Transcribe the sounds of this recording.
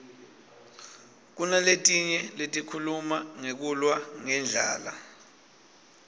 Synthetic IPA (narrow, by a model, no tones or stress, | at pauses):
k̬unaletʼiɲɛletʼikʰulumaŋek̬ulwaŋɛnd͡ɮʱa̰ːla̰